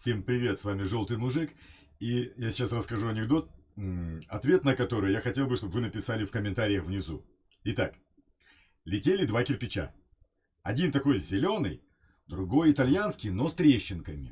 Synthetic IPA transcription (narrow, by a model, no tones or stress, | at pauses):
fsʲe̞mpɾʲɪvʲe̞t̪svamʲɪʐo̞lˠt̪ɨjmʊʐɨk | ijasʲɪ̥t͡ɕasrəskɐʐuɐnʲɪɡd̪o̞t̪̚ | ɐt̪vʲe̞t̪nəkɐt̪o̞ɾɨjjaxɐtʲe̞lˠbɨʂt̪o̞bvɨnəpʲɪsalʲɪfkəmʲɪnt̪aɾʲɪjəxvnʲɪzu | ɪt̪ak | lʲɪtʲelʲɪd̪vakʲɪrpʲɪt͡ɕa̰ | ɐdʲint̪ɐko̞jzʲɪlʲo̞nɨ̰j | d̪ɾʊɡo̞jɪt̪ɐlʲjanskʲɪjno̞st̪ɾʲeɕːɪnkəmʲɪ